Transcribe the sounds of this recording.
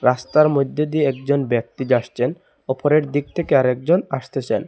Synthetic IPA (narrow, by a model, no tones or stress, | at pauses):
ɾast̪aɾmod̪ʱːed̪ieɛkd͡ʑonbɛk̚t̪id͡ʑaʃt͡ɕʰen | ɔpoɾeɾd̪ik̚t̪ʰekeaɾɛk̚d͡ʑonaʃt̪ʰet͡ɕʰen